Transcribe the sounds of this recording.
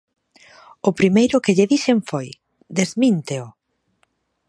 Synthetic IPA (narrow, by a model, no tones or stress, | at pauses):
ʊpɾimejɾʊkɪʎɪðiseɱfoj | d̪ezmint̪eʊ